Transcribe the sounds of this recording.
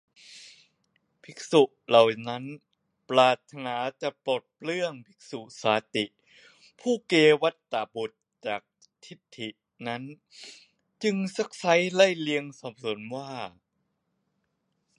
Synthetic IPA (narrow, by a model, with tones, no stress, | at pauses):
pʰi˦˥k̚su˨˩ʔla˨˩wna˦˥n | plaː˨˩t̪ʰːa˧naː˩˦t͡ɕa˨˩poː˨˩t̪̚plɯ˥˩əŋpʰi̥˦˥k̚su˨˩ʔsaː˨˦t̪i˨˩ʔ | pʰuː˥˩keː˧wa˦˥t̪ːaː˨˩bu˨˩t̪̚t͡ɕaː˨˩k̚ | t̪ʰi˦˥t̪ʰːi˨˩ʔ | na˦˥n | t͡ɕɯ˧ŋsa˦˥k̚sa˦˥jla˥˩jli˧əŋsɔ˨˩˦p̚so˩˦nwaː˥˩